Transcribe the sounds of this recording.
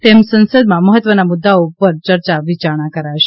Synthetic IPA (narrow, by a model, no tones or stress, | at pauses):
t̪emsə̃nsəd̪mãməɦət̪ʋənamud̪ːaoupəɾt͡ʃəɾt͡ʃaʋit͡ʃaɾɽ̃ãkəɾaʋʃe̥